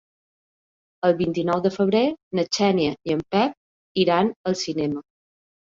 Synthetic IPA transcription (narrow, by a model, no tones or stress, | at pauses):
əlˠβint̪inɔwðəfəβ̞ɾenət͡ʃɛnjəiəmpɛp̚ | iɾanəlˠsinɛmə